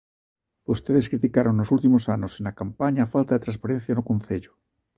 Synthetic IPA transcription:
ost̪eðeskɾit̪ikaɾoŋnosult̪imosanosenakampaɲaːfalt̪aðet̪ɾãnspaɾen̟θjanokon̟θeʎo̥

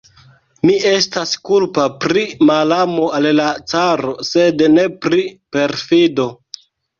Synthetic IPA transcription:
mie̞staskulpapɾimalamo̞allat͡saɾo̞se̞dne̞pɾipe̞ɾfido̞

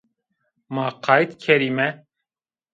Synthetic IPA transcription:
maːqʰɑːjt̪kʰɛɾimɛ

